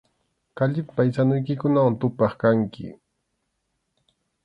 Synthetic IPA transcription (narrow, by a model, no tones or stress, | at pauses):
kaʎɪpajsanʊjkɪkʊnawant̪ʊpɑχkaŋkɪ̰